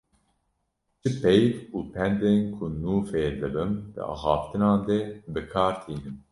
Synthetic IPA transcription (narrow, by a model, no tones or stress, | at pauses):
t͡ʃʰɨpʰɛjt̪uːpʰɛnd̪eːnkʰʊnuːfeːd̪ɨbɨmd̪ɨ̰ɑ̰ːxɑːft̪ɨnɑːnd̪ɛbɨkʰɑːɾt̪ʰiːnɨm